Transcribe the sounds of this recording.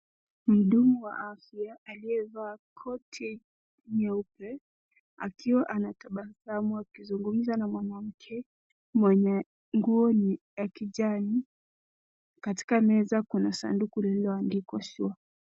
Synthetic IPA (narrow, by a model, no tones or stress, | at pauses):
m̩ɗumuwa̰ʔafijaːliɛvaːkʰɔtʰɛ | ɲɛupɛ | a̰kʰiwaʔanataɓasamuakizuŋɡum̩zanamwanam̩kʰɛ | mwaɲa | ŋɡuɔnijakiʄani | kati̥kamɛzakunasa̰ndukulɛlɛwandikwaʃua